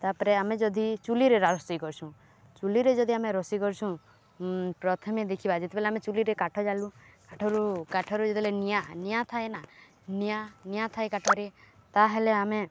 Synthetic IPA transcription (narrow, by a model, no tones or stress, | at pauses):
t̪apɔɾeamed͡ʒɔd̪ʱit͡ʃuliɾeɾaɾɔst̪ɔjkɔɾt͡ʃʰũ | t͡ʃuliɾed͡ʒɔd̪ʱiameɾɔsikɔɾt͡ʃʰũ | pɾɔt̪ʰɔmed̪ekʰibad͡ʒet̪ebeleamet͡ʃuliɾekaʈʰɔd͡ʒalũkaʈʰɔɾukaʈʰɔɾud͡ʒet̪ebelenijanijat̪ʰaena | nijanijat̪ʰajkaʈʰɔɾet̪aɦeleame